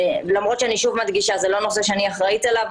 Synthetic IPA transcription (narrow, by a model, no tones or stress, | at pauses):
lamʁo̞t̪t͡ʃʃeaniʃuvmad̪ɡiʃazelo̞no̞se̞ʃeaniaχʁait̪alav